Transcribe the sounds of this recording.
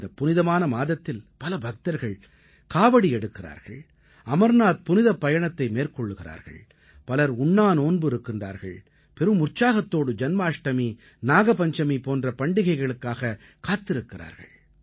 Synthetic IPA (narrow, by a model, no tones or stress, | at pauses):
d̪ɐpʊnɪðɐmaːnɐmaːðɐt̪ːɪlpɐlɐbʱɐk̚t̪ɐɾɣɐɭ | kaːʋɐɽiɛɽɯkːɪra̰ːɾɣɐ̰ɭ | ɐmɐɾnaːt̪̚pʊnɪðɐpːɐjɐɳɐt̪ːɐɪmeːrkɔɭːɯɣɪra̰ːɾɣɐ̰ɭ | pɐlɐɾʊɳːaːnoːnbɯɪɾɯkːɪndra̰ːɾɣɐ̰ɭ | pɛɾɯmʊrt͡ʃaːɣɐt̪ːoːɽɯd͡ʒɐnmaːʂʈɐmi | naːɣɐpɐɲd͡ʒɐmipoːndrɐpɐɳɖɪɣɐɪɣɐɭɯkːaːɣɐ | kaːt̪ːɪɾɯkːɪra̰ːɾɣɐ̰ɭ